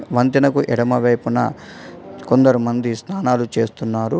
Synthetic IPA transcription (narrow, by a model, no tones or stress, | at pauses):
ʋɐnt̪inɐkuʔɛɽɐmɐʋɐjpunɐ̰ | kond̪ɐɾumɐnd̪isnaːnaːlut͡ʃe̞ːst̪unːaːɾu